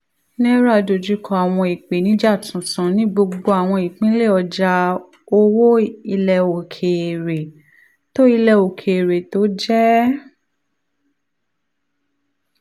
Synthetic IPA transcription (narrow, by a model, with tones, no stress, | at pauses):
nɛ̃˦ɾa˦˨do˨d͡ʒu˦kʰɔ˧˦a˨w̃ɔ̃˧i˨k͡pe˨nĩ˨˦d͡ʒa˦˨tũ˨tã˨˦nĩ˦ɡ͡bo˧ɡ͡bo˧a˨w̃ɔ̃˧i˨k͡pĩ˦le˦˨ɔ˧d͡ʒa˧ | o˧wo˦i˧lɛ˨o˨kʰe˨ɾe˨ | to˦i˧lɛ˧o˨kʰe˨ɾe˨to˨˦d͡ʒɛ˦